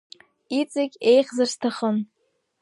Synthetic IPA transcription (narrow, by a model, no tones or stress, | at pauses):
it͡sʼɪkʲejχzarstʰaχən